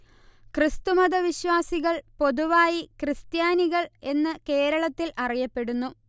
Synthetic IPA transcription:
krɨst̪umɐðɐʋiɕʋaːsiɣɐɭpo̞ðuʋaːjikrɨst̪jaːniɣɐɭe̞nːɨke̞ːɾɐɭɐt̪ːilʔɐrijɐpːe̞ɽunːu

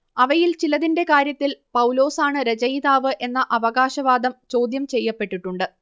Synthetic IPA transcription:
ɐʋɐjilt͡ɕilɐðinde̞kaːɾjɐt̪ːilpɐwlo̞ːsaːɳɨɾed͡ʑɐjðaːʋɨʔe̞nːɐʔɐʋɐɣaːɕɐʋaːd̪ɐmt͡ɕo̞ːd̪jɐmt͡ɕe̞jːɐpːe̞ʈːiʈːuɳɖɨ

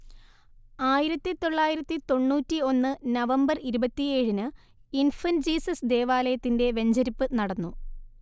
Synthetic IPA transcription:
aːjiɾɐt̪ːit̪o̞ɭːaːjiɾɐt̪ːit̪o̞ɳːuːtːio̞nːɨnɐʋɐmbɐriɾubɐt̪ːie̞ːɻinɨ | infɐnd͡ʑiːsɐsd̪e̞ːʋaːlɐjɐt̪ːinde̞ʋe̞ɲd͡ʑɐɾipːɨnɐɽɐnːu

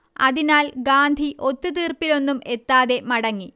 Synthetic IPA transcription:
ɐ̰ðinaːlɡaːnd̪ʱiʔo̞t̪ːut̪iːrpilo̞nːume̞t̪ːaːðe̞mɐɽɐŋːi

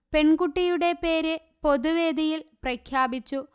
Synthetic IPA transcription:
pe̞ɳɡuʈːijuɽe̞pe̞ːɾɨ | po̞d̪uʋe̞ːd̪ijilprɐkʰjaːbit͡ɕːu

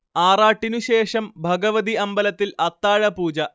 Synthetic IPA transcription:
aːraːʈːinuɕe̞ːʂɐmbʱɐɡɐʋɐðiɐmbɐlɐt̪ːilɐt̪ːaːɻɐpuːd͡ʑɐ

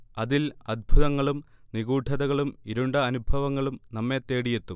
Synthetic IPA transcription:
ɐðilɐd̪̚bʱuðɐŋːɐɭum | niɣuːʈʰɐðɐɣɐɭumiɾuɳɖɐɐnubʱɐʋɐŋːɐɭumnɐmːe̞t̪ːeːɽijet̪ːum

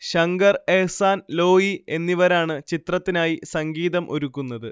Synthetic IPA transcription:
ɕɐŋɡɐrehsaːnlo̞ːjie̞nːiʋɐɾaːɳɨt͡ɕit̪rɐt̪ːinaːjisɐŋɡiːðɐmʔo̞̰ɾukːunːɐðɨ

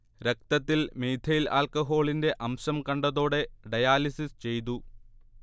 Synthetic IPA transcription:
ɾek̚t̪ɐt̪ːilmeːd̪ʱɐjila̰ːlkɐɦo̞ːɭinde̞ʔɐmɕɐmkɐɳɖɐðo̞ːɽe̞ɖɐjaːlisist͡ɕe̞jt̪̬u

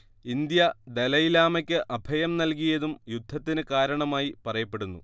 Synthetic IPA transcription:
ind̪jɐd̪elɐjilaːmɐkʲːɨʔɐbʱɐjɐmnɐlkijɐðumjud̪ʱːɐt̪ːinɨkaːɾɐɳɐmaːjipɐrɐjɐpːe̞ɽunːṵ

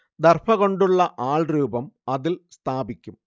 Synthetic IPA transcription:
d̪ɐrfɐɣoɳɖuɭːɐʔaːɭruːbɐmɐðɪlst̪ʰaːbikʲːum

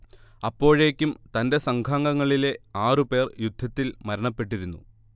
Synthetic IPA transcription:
ɐpːo̞ːɻe̞ːkʲːumt̪ɐnde̞sɐŋɡʱaːŋɡɐŋːɐɭile̞aːrɨpe̞ːrjud̪ʱːɐt̪ːilmɐɾɐɳɐpːe̞ʈːiɾunːṵ

